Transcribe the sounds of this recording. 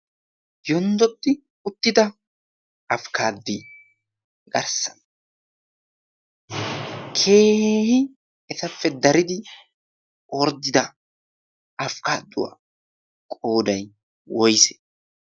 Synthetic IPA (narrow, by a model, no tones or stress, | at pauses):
jɔnd̪ɔt̪ːɪ | ʊt̪ːɪd̪ɐ | ɐfkaːd̪ːɪ | ɡɐ̰ɾsɐn | kʰe̞ːhɪ | ɛsɐfːɛd̪ɐɾɪd̪ɪ | oːɾd̪ːɪd̪ɐ | ɐfkaːd̪ːʊwa̰ | kʼoːd̪ɐj | wɔjsɛ̥